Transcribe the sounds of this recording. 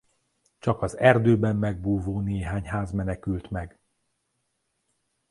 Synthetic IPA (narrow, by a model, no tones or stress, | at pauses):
t͡ʃɒkɒzɛrd̪øːbɛmːɛɡ̚buːvoːneːɦaːɲhaːzmɛnɛkylt̪mɛɡ